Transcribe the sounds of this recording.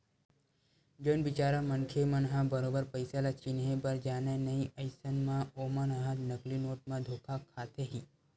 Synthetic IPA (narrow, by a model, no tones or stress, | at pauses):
d͡ʒonbɪt͡ʃaːɾamənkʰemənɦãbəɾoːbəɾpəjsalat͡ʃinɦebəɾd͡ʒaːnenɐĩʔəɪsənmãoːmənəɦəd̪nəklinoːʈ̚mãd̪ʱoːkʰakʰaːt̪eɦiː